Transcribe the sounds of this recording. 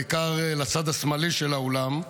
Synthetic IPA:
kaʁlat͡sad̪asmaliʃelaolam

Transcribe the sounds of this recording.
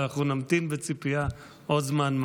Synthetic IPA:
aχunamt̪imbet͡sipia | ʔod̪zmanm

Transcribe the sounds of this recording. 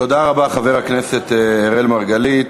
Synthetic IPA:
to̞d̪aʁabaχave̞ʁakneset̪ːʁelmaʁɡalit

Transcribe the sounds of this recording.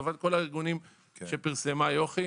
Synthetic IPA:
vad̚ko̞laiʁɡunim | ʃepiʁsemajo̞χi

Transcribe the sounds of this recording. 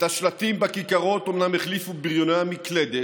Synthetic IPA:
t̪aʃlat̪imbakikaʁo̞t̪o̞mnameχlifubiʁjonamikled̪e

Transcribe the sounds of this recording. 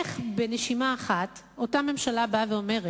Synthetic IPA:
eχbe̞neʃimaːχat | o̞tame̞mʃalabaveo̞me̞ʁe

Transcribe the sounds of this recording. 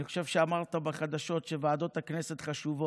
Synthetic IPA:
iχoʃevʃeamaʁt̪abaχad̪aʃo̞t̪ʃevaːd̪o̞t̪hakneset̪χaʃuvo

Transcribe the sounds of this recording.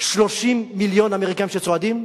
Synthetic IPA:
ʃlo̞ʃimːiljo̞nameʁikajimʃet͡soad̪im

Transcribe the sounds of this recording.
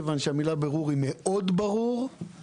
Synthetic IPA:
vanʃeamilabeʁuʁimeʔo̞d̪baʁuʁ

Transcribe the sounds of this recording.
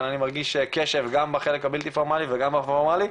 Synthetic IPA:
nanimaʁɡiʃkeʃe̞vɡambaχelekabilt̪ifoʁmaliveɡambafoʁmali

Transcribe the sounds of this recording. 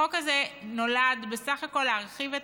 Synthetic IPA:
okazeno̞lad̪be̞saχako̞lːeaʁχivet

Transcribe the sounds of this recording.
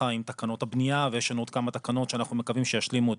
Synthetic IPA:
aimt̪akano̞t̪habnijavejeʃenot̪̚kamat̪akano̞tʃeanaχnumekavimʃejaʃlimue

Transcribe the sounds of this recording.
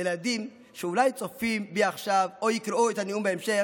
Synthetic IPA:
ɛladim | ʃɛulaɪt͡sɔfimbiaχʃavojɪkɾouɛthaniumbɪɛmʃɛ

